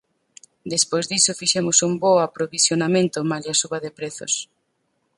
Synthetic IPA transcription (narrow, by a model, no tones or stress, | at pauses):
d̪espojzðisofiʃemosumboapɾoβisjonamẽnt̪ʊmaʎasuβaðepɾeθo̰s